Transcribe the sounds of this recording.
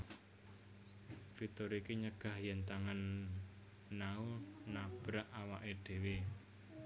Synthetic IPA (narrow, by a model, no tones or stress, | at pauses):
fit̪oɾikeɲəɡ̥a̤hjɛnt̪aŋanː | aunab̥ɾaʔawaʔeɖ̪̥e̤we